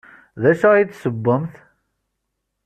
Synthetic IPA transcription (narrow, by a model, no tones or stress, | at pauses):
ðæʃait̪ːsəbːəmθ